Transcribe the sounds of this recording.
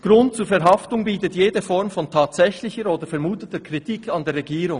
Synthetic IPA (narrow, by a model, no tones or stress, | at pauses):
ɡ̥ɾʊnt̚t͡suːfɛɾɦɑftʊŋbiːtətjeːdəfɔɾmfɔntʰaːtsɛçlɪçəɾoːdəfɛɾmuːtətəkʰʁitʰikʰɑndeːrʁɛɡiːɾʊŋ